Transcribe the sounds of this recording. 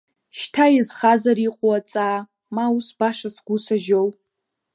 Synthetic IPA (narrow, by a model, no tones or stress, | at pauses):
ʃtʰajizχazariqʷʼowat͡sʼaː | mausbaʂasɡ̥ʷʊsaʒow